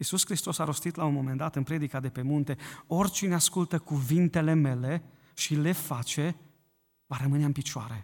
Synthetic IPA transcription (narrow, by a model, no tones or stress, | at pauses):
isuskɾist̪o̞saɾo̞st̪it̪launmo̞me̞nd̪at̪ɨnpɾed̪ikad̪e̞pe̞munt̪e̞o̞rʲt͡ʃineaskult̪əkuvint̪e̞le̞me̞le̞ | ʃile̞fat͡ʃe̞ | vaɾəmɨneaɨnpit͡ʃoa̰ɾe